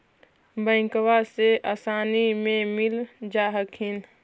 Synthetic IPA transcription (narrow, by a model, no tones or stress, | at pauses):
bə̃ɪ̃ŋkwaseaːsaːnimẽmild͡ʒaːɦəkɦin